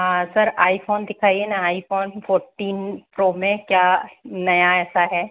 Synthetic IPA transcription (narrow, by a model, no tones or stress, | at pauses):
ɦãsɐɾaːifʰoːnd̪ɪkʰaːienãaːifoːnfʰoːɾʈiːnpɾoːmẽkjaːnɐjaɛːsaɦɛː